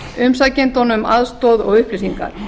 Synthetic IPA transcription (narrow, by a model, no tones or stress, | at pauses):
ʏmsacent̪ɔnʏmaðst̪ɔːðɔ̰ɣʏhplɪsiŋka̰ɾ̥